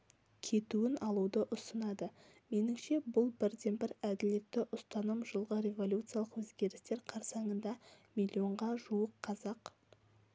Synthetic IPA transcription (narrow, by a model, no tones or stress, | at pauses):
kʲʰe̞t̪uɪnɑlˠud̪əʔʊsənɑd̪ə | me̞nɪmʃe̞bʊlˠbɪɾd̪e̞nbɪɾæd̪ɪle̞t̪ːɪʔʊst̪ɑnəmʒəlˠʁəɾʲe̞vo̞lʲut̪sɨjalˠəqwɵzɡʲe̞ɾɪst̪e̞ɾqʰɑɾsɑɴənd̪ɑmʲilʲːio̞ɴʁɑʒuəqʰːɑzɑq